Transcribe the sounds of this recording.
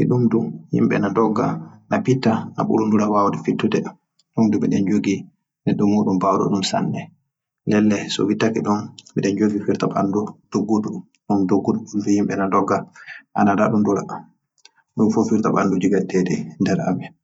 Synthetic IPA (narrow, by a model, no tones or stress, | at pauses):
ʔiɗumduhḭmɓɛ̰nadɔɡːa̰napitːana̰ɓṵɗunduɾawawdɛfitːudɛ | ɗumdubɛɗɛnd͡ʒoɡi | nɛɗːumːuːɗumbawdɔ̰ɗumsa̰nːɛ | lɛlːɛsɔ̰witːakiɗumɓɛɗɛnd͡ʒoɡifiɾtaɓa̰ndud̥oɡːudu | ɗumdoɡːuɗuɗumduhimɓɛnadɔɡːaʔa̰nadaɗunduɾa̰ | ɗumfofiɾtaɓandud͡ʒiɡatːɛdɛndɛɾa̰mɛ